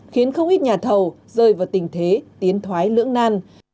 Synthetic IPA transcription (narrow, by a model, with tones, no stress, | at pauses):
xi˨˦ənxə˧wŋ͡mʔi˦˥t̚ɲaː˨˩t̪ʰə˨˩wzəː˧˩jvaː˨˩wt̪ï˨˩ŋ̟t̪ʰe˨˦t̪i˨˦ənt̪ʰwaː˨˦jlɨ̰˧˥əŋnaː˧n